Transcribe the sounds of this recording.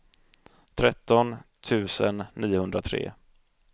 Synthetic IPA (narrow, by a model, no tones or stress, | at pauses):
t̪ʰɾɛt̪ːɔnt̪ʰʉ̟ːsənːiːʊhɵnd̪ɾat̪ʰɾḛː